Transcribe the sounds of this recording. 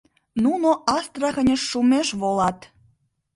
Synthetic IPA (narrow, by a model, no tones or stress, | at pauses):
nunoʔɑst̪rɑɣə̆nʲə̆ʃːumeʃβolɑt̪